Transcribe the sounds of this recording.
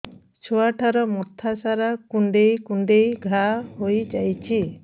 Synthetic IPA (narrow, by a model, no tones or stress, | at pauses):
t͡ʃʰoaʈʰaɾɔmɔt̪ʰasaɾakuɳɖejkuɳɖejɡʱahojd͡ʒajt͡ʃʰi